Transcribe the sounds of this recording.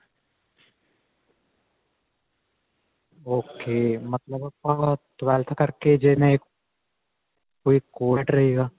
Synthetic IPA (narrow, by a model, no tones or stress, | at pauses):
oːkeːmɐt̪ləbɐpːat̪ʋɛːlt̪ʰkɐɾked͡ʒenẽek | koːikoːʈɾɐɦeːɡaː